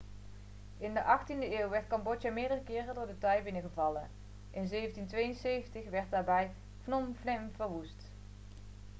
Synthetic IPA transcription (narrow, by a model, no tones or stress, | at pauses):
ɪndəʔɑχtindəɪːwʋɛɹtkɑmbɔtjamɪːɹdərəkɪːrədʊːɹdətœjbɪnəχəvɑlən | ʔɪnzejvəntintʋejənsejvəntəχʋɛɹt̚daːɹbɛj | fnɔmflɪmvəɹʋust